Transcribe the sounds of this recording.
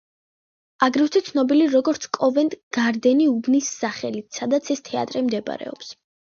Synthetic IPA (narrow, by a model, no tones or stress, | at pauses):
aɡɾift̪ʰɛt̪sʰnɔbiliɾɔɡɔɾt̪sʰkʼɔvɛnt̪ʼɡ̥aɾd̪ɛniubnisːaχɛlit̪ʰsad̪at̪sʰɛst̪ʰɛa̰t̪ʼɾɛmd̪ɛba̰ɾɛ̰ɔ̰ps